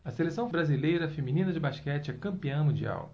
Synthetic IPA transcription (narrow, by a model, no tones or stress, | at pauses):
ɐselesɐ̃w̃bɾazilejɾɐfemĩnĩnɐd͡ʒɪbaʃkɛt͡ʃɪɛkɐ̃mpiɐ̃w̃mũd͡ʒia̰w